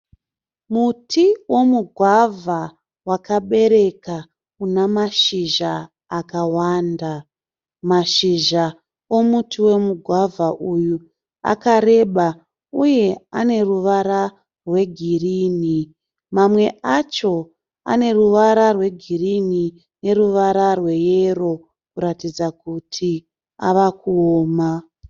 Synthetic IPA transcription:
mutʰiwo̞muɡʱwavʱa | wakaɓe̞ɾe̞ka | unamaʃiʒaː | kawaːnda | maʃiʒa | o̞mutiwe̞muɡʱwavʱaʔuju | a̰kaɾe̞ɓa | uje̞ane̞ruʋaɾa | rwe̞ɡʱiriːni | mamwe̞ʔat͡ʃo̞ | a̰ne̞ruʋaɾarwe̞ɡʱirini | ne̞ruʋaɾarwe̞jero̞ | kuɾatid͡zakutʰi | a̰ʋakuoːma

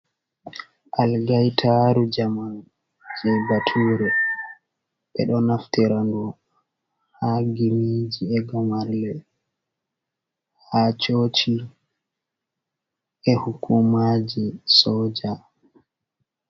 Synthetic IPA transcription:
ʔalɡajtʰaɾud͡ʒaman | d͡ʒɛbatʰuːɾɛ | ɓɛ̰ɗɔnaftɛɾandɔ | haɡimid͡ʒiɛɡamaɾlɛ | hat͡ʃot͡ʃi | ɛhukʰumaːd͡ʒisɔːd͡ʒa

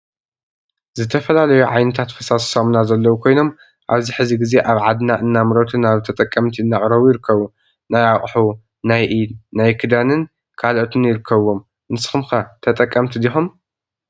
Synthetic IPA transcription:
zɨt̪ʰɐfɐlalɐjuʕajnɨt̪ʰat̪fɐsassomnazɐlːɐwukʰo̞jno̞m | ʔaβziħɨziɡize̞ʔaβʕad̪naʔɨnːamɨɾot̪ʰɨnaβt̪ʰɐt̪ʼɐkʼːɐmt̪ʰiɨnːaʔʼɾɐβujɪɾɨkʰːɐβu | najaχʼħu | najʔinajkʰɨd̪anɨn | kʰalʔot̪ʰɨnjɪɾɨkʰːɐβːo̞m | ʔɨnsɨ̥xɨmxat̪ʰɐt̪ʼɐkʼːɐmt̪ʰid̪ixom

